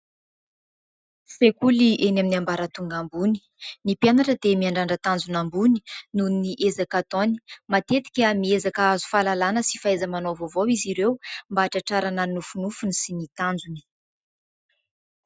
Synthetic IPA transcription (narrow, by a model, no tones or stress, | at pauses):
fekuliʔenaminambaɾat̪uŋɡambuni̥ | nipjanaʈ͡ʂəd̪emiaɳɖ͡ʐaɳɖ͡ʐat̪and͡zunambuni̥nunniʔezakat̪oni̥mat̪et̪i̥kʲamiezakaazu̥falalanəsi̥faezəmanovovowiziɾewmbaːʈ͡ʂaʈ͡ʂaɾananufunufunisinit̪and͡zuni̥